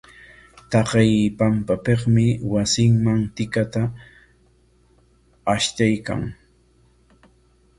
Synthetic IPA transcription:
t̪ɑqɪjpampapeχmɪwasɪŋmaŋt̪ɪkat̪a | ʃt̪ajka̰ŋ

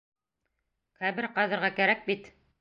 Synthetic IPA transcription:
χæβɘɾqɑðɤ̆ɾʁɑkæɾæk̚bit̪

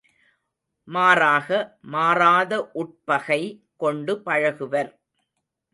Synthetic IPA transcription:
maːɾaːɣɐmaːɾaːðɐʔʊʈ̚pɐɣɐɪkɔɳɖɯpɐɻɐɣɯʋɐɾ

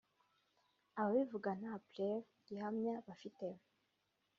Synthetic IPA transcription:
aβaβivuɡanaplev | ɡihamɲaβafitem

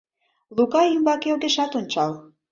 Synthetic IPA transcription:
lukɑjimbɑkeolɣeʃɑt̪onʲt͡ɕɑl

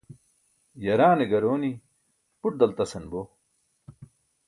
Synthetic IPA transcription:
jɐɾaːneɡɐɾoːni | puʈ̚d̪ɐlt̪ɐsɐnbo

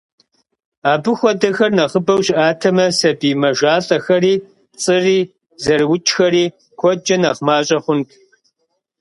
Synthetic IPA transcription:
aːbɨxʷɔdɐxɐrnɐχəbɐwɕɪʔaːtʰɐmɐsɐbiːmɐʒʷaːɬʼɐxɐriː | t͡sʼɨriː | zɐrwʊt͡ʃʰʼxɐɾiː | kʷʰɔd͡ʒɐnɐχmaːɕʼɐχʷʊntʰ

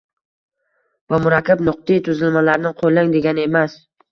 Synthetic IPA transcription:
vamʊɾakʲʰːabnʊq̚t̪it̪ʰʊzɪlmalaɾnɪqʰojlaŋd̪e̞ɡʲanɪe̞mas

